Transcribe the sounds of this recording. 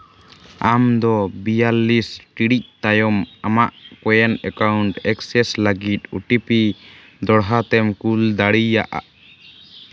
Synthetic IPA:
amd̪ɔbijalːisʈiɽic̚t̪ajɔmamaʔkɔjɛnɛkawɳʈɛksɛslaɡit̪̚uʈipi | d̪ɔɽɦat̪ɛmkuld̪aɽijaʔa̰ʔ

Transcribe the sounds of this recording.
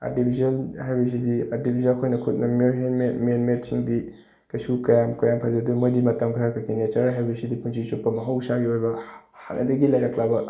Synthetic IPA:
a̰tibʱizɐnhajbɐs̬idiaɾtibʱizɐnkʰojnɐkʰut̚nɐmoememenmet̚siŋdi | kɐsukɐjamkɐjampʰazɐdumojdimɐtɐmkʰajakʰɐkʰinet͡ʃɐɾɦajbɐsidipunsʰisupːɐmɐɦɐwsaɡiojbɐha̰nʔɐ̰dɐɡilajɾɐklabɐ

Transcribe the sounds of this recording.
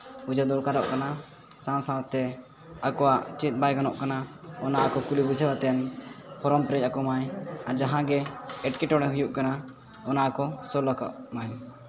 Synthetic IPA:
ud͡ʒad̪ɔlkaɾɔ̰ʔkana | sãw̃sãwat̪ɛ | akɔwaʔt͡ʃɛt̪̚ˀbajɡanɔʔkanaɔnaʔakɔkulibud͡ʒʰawat̪ɛnpʰɔɾɔmpɾɛc̚akɔmajaɾd͡ʒaɦãɡɛɛʈkɛʈɔɽ̃ɛɦujuʔkana | ɔnaʔakɔsɔlɔkɔ̰ʔmaj

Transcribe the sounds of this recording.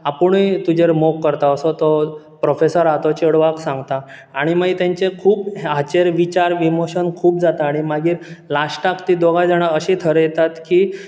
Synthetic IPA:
apuɳit̪ud͡ʑeɾmokːəɾt̪aəsot̪ɔ | pɾofesəɾat̪ɔt͡ɕəɽʋaksãŋɡt̪aː | ɽ̃imait̪jãɲt͡sekʰuːpɦat͡ɕeɾʋit͡ɕaɾʋimoɕənkʰuːpd͡zat̪aːɽ̃imaɡiːɾlaɕʈakt̪iːd̪oɡajd͡zaɽ̃aəɕĩt̪ʰəɾəjet̪at̪ki

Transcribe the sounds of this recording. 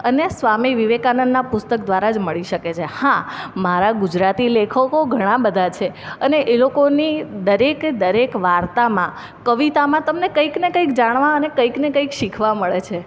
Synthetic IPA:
ənesʋamiʋiʋekanənd̪ːapʊst̪əkd̪ʋaɾad͡ʒməɭiʃəket͡ʃʰehãmaɾaɡud͡ʒɾat̪ilekʰəkoɡʱəɽ̃ãbəd̪ʱat͡ʃʰeəneʔelokonid̪əɾekd̪əɾekʋaɾt̪amã | kəʋit̪amãt̪əmnekəiknekə̃ikd͡ʒaɽ̃ʋãənekəiknekə̃ikʃikʰʋaməɭet͡ʃʰe

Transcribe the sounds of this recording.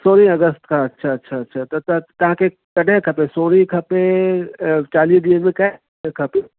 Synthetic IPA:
soːɽĩɐɡəst̪kaɐtːʃʰaɐtːʃʰaɐtːʃʰat̪ɐt̪ɐt̪ɐɦãke | kɐnẽkʰɐpẽsoːɽĩkʰɐpe | t͡ʃaːliːsd̪imẽkɐ | kʰɐpe

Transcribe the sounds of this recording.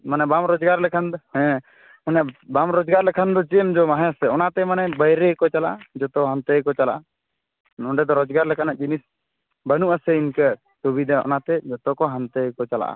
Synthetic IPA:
manɛbamɾɔd͡ʒɡaɾlɛkʰand̪hɛ̃ | manɛbamɾɔd͡ʒɡaɾlɛkʰand̪ɔt͡ʃɛmd͡ʒɔmaɦɛ̃asɛɔnat̪ɛmanɛbəjɾɛkɔt͡ʃalaʔad͡ʒɔt̪ɔɦant̪əkɔt͡ʃala̰ʔa | ɔɳɖɛd̪ɔɾɔd͡ʒɡaɾlɛkanaʔd͡ʒinis | bənuʔasɛinkə | t̪obid̪aɔ̰nat̪ɛd͡ʒɔt̪ɔkɔɦant̪əkɔt͡ʃala̰ʔa̰

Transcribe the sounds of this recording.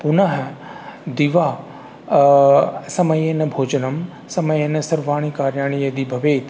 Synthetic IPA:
pʊnɐɦɐd̪iʋaː | sɐmɐjenɐbʱoːd͡ʒɐnɐm | sɐmɐjɐnɐsɐɾʋaːɽ̃ikaːɾjaːɽ̃ijɐd̪ibʱɐʋeːt̪

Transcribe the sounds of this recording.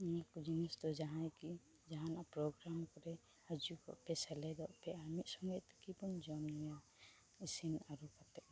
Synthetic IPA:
makud͡ʒinisd̪ɔd͡ʒaɦãjki | d͡ʒaɦãnaʔpɾɔɡɾamkɔɾɛ | had͡ʒukɔ̰ʔpɛsalɛd̪ɔʔpɛamiʔsɔŋɡɔjt̪kibɔnd͡ʒɔmnɔja | isinaɾukat̪ɛʔ

